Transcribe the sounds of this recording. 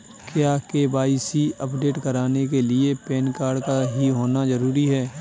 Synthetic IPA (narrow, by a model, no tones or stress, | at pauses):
kjaːkeːbaːisiəpɖeːʈkɐɾaːnek̬elɪepɛːnkaːɾɖkaɦiɦoːnazɐɾuːɾiɦɛː